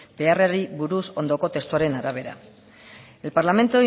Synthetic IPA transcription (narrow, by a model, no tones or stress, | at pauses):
beareɾiβuɾuso̞nd̪oko̞t̪e̞st̪uaɾe̞naɾaβ̞e̞ɾa̰ | e̞lpaɾlame̞nt̪o